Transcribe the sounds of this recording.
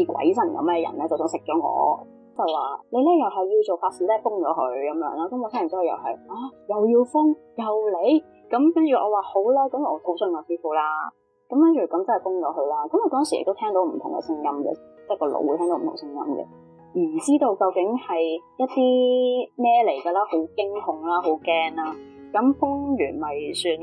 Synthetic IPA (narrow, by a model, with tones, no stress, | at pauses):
i˨˧kʷɐ̰˨˥jsɐ˨˩nkɐ̰˨˧mɛ˧jɐ̰˨˩nlɛː˥t͡sɐ˨˩wsœː˨˥ŋsɪ˨k̚t͡ʃɔː˨˥ŋɔ̰ː˨˧ | t͡sɐ˨˩waː˨le˨˧jlɛː˥jɐ˨˩wɦɐ˨ji˧wt͡so˨wfaː˧tsiː˨˧lɛː˥fʊ˥ŋt͡ʃɔː˨˥hɵ˧ɥkɐ˨˧mjœ̰ː˨˧˥ŋlaː˧˥kɐ˨˦mɔː˨˧tʰaː˥˨˩t͡sɔ˥jjɐ̰˨˩whɐ̰˨jaː˧˩jɐ˨wjiː˧wfʊ˥ŋ | jɐ˨wle˨˧j | kɐ˨˥mkɐ˥nt͡ʃy˨ʔɔ̰ː˧waː˨˩ho˨˥wlɛː˥kɐ˨˥m˨ɔː˨˧ho˨˥wsɵ˧nkɔː˨˧siː˥fuː˨˥laː˥ | kɐ˨˦mkɐ˥nt͡ʃyː˨˩kɐ˨˥mt͡sɐ˥nhɐ˨˩fʊ˥ŋt͡ʃɔ̰ː˨˦ɦɵ˧laː˥kɐ˨˥mɔː˨˧t̪ɔː˥ŋsi˨jɪ̰˨t̪o˥tʰɛː˥ŋt̪o˨˥wm̩˨˩t̪ʰʊ˨˩ŋɡɛ̰˧sɪ˥ŋjɐ˥mɡɛ̰˨t͡sɛː˥˩kɔː˧lo̰˨˧wu˧˩tʰɛː˥ŋo˨˦m̩˨t̪ʰʊ̰˨˩ŋsɪ˥ŋjɐ̰˧˥mɡɛ̰˨ | j̩ː˨˩t͡siː˥t̪o˧wkɐ˧wkɪ˨˥ŋhɐ˨jjɐ˥t̚t̪iː˥mɛː˥le˨˩jɡɐ˧laː˥ho˨˥wkɪ˥ŋhʊ˨ŋlaː˥ɦo˨˥wkɛː˥ŋlaː˥kɐ˨˥mfʊ˥ŋjyː˨˩nmɐ˨jsyː˧n